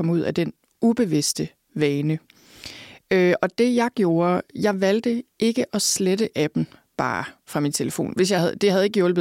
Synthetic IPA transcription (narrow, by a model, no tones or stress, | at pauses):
ɒ̽muð̰ˠæd̥en | ub̥e̝ʋisd̥ə | ʋɛːnə | øɒ̽d̥e̝jɑ̈ɪɡ̥jo̝ːɐjɑ̈ɪʋæl̰d̥əe̝ɡ̥əʔɒ̽sledəʔæb̥n̩b̥ɑ̰̈ːfʁɑ̈mint͡sʰe̝ləfo̝̰ːnʋe̝sjɑ̈ɪhæðˠd̥e̝hæðˠe̝ɡ̥əjɔ̽lb̥ð̩ˠ